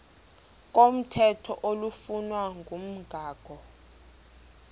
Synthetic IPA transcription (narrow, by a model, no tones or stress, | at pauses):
k̬ʼom̩tʰɛtʰɔ̰ʔolufunwaŋʱum̩ɡ̥ʱaːɡ̥ʱɔ